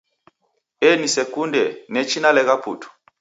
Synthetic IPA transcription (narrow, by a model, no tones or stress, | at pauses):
ɛnisɛkundɛnɛt͡ʃinalɛɣapṵtu̥